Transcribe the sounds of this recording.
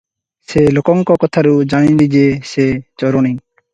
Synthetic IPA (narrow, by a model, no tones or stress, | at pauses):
selokɔŋkɔkɔt̪ʰaɾud͡ʒaɽĩlid͡ʒeset͡ʃɔɾoñĩ